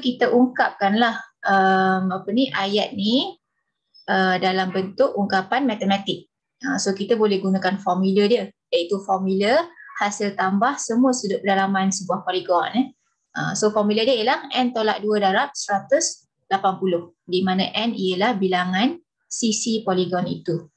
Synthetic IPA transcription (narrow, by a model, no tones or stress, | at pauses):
kit̪əʔuŋkap̚kanlahʔəmapəniʔajat̪̚ni | ədalambənt̪ʊʔuŋkapanmat̪əmat̪ɪk̚ | əsokit̪abolɛhɡunakanfɔmilədiəjait̪ufɔmiləhasɪlt̪ambahsəmuəsudʊʔ̚pədalamansəbuahpoliɡɔnə | ʔə̰msofɔmilədiəəlahɛnt̪ola̰ʔ̚duədaɾap̚səɾat̪ʊs | lapanpulʊh | dimanaʔɛnijəlahbilaŋan | sisipoliɡɔnḭt̪u